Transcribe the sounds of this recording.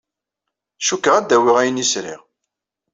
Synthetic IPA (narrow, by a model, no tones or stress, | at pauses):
ʃukːəʁæd̪ːæwiʁæjənisɾḭʁ